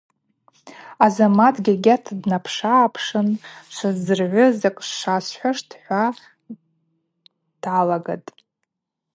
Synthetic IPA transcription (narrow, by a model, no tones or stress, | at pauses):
azamatʰʼɡʲaɡʲatʰdnapʰʂaːpʰʂɨnʃʷazzɨrʕʷʊzakʼʂasħʷaʂtʰħʷa | d̥ʕalaɡa̰tʼ